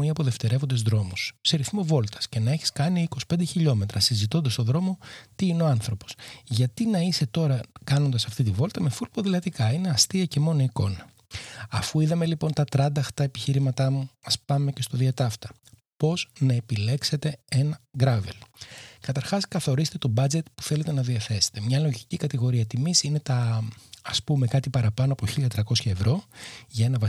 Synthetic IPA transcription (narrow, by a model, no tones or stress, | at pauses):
iɐpo̞ðe̞ft̪e̞ɾe̞vo̞nd̪ezðɾo̞musse̞ɾiθmo̞vo̞lt̪ɐ̥sce̞nɐeçi̥skɐniiko̞si̥pe̞nd̪e̞çiʎo̞me̞t̪ɾɐsizit̪o̞nd̪ɐst̪o̞ðɾo̞mo̞t̪iineo̞ɐnθɾo̞po̞̥sʝɐt̪inɐise̞t̪o̞ɾɐkɐno̞nd̪ɐsɐft̪it̪̬ivo̞lt̪ɐme̞fulpoðilɐt̪ikɐine̞ɐst̪iɐce̞mo̞noiko̞nɐ | ɐfuiðɐme̞lipo̞nt̪ɐt̪ɾɐd̪ɐxt̪ɐepiçiɾimɐt̪ɐmuɐspɐme̞ce̞st̪o̞ðiɐt̪ɐft̪ɐ̥ | po̞z̥nɐepile̞kse̞t̪ee̞nɐɡɾɐve̞̰lkɐt̪ɐɾxɐskɐθo̞ɾist̪et̪o̞bɐd͡ze̞t̪pu̥θe̞le̞t̪e̞nɐðiɐθe̞se̥t̪e̞mɲɐlo̞ʝicikɐt̪iɣo̞ɾiɐt̪imisine̞t̪ɐɐspume̞kɐt̪ipɐɾɐpɐnoɐpoçiliɐt̪ɾɐkosçɐe̞vɾo̞ʝɐe̞nɐvɐ